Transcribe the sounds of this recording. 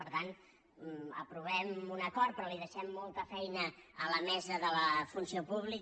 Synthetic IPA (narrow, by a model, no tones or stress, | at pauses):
əɾt̪an | ə̰pɾuβɛmunəkɔɾt̪̚pɾɔliðəʃɛmːolˠt̪əfɛjnəːləmɛzəðələfunsiopuβli